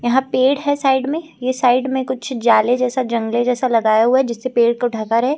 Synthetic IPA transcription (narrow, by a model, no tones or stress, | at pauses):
jɐɦãpeːɽɦɛsaːɪɖmẽ | jesaːɪɖmẽkʊt͡ʃʰd͡ʒaːled͡ʒɛːsad͡ʒɐ̃ŋɡled͡ʒɛːsalɐɡaːjaɦuaɛd͡ʒɪsːepeːɽkoɖʱɐkaɾɦɛː